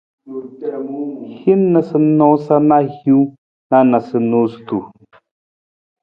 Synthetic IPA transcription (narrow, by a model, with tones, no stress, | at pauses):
hi˦nnə˨sə˨nɔ̃˨˦sa˦na˦hju˦ | na˦˨na˨sɨ˨nu˨˦stu˨